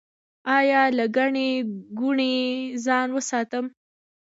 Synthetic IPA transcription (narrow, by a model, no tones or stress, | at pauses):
ɑjɑlaɡaɳeɡuɳezɑnwəsɑt̪əm